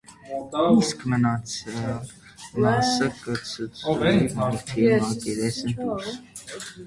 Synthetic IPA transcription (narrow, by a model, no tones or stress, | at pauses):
iskʰmənɑt͡sʰəɾɑ | mɑsəkət͡sʰət͡sʰmɑɾt̪ʰimɑkiɾɛsənd̪uɾs